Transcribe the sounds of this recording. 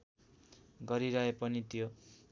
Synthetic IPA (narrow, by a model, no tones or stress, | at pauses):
ɡʌɾiɾʌɦepʌnit̪jo